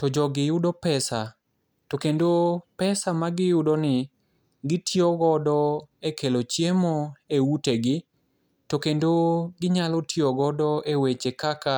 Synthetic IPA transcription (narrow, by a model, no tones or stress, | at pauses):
tɔd͡ʒɔɡɪjʊdopɛsa | tokendopɛsamaɡɪjʊdonɪ | ɡɪtioɡɔdɔekʰelot͡ʃjemoeuteɡɪ | tokendoɡɪɲalɔtʰjoɡɔdɔewet͡ʃekaka